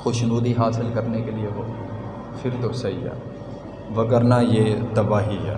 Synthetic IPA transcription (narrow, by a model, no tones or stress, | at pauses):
xoʃnuːd̪iɦaːsɪlkɐɾnekelieʋo | fɪɾt̪osɐija̰ː | ʋɐɡəɾnajeːt̪ɐbaːɦiɦɛ̰ː